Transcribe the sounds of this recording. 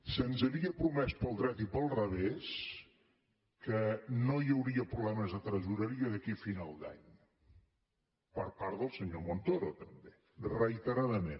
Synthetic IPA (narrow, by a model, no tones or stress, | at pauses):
sənzəβiəpɾumɛspəlˠd̪ɾɛt̪ipəlˠrəβes | kənojəwɾiəpɾuβlɛməzðət̪ɾəzuɾəɾiəðəkifinalˠd̪a̰ɲ | pəɾpaɾt̪ðəlˠsəɲomont̪oɾot̪əmbe | rəit̪əɾaðəmen